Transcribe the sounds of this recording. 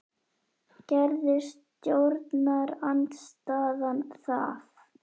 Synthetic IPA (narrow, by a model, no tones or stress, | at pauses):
cɛɾðɪst̪t̪jowɾt̪naɾant̪st̪aːðanθaf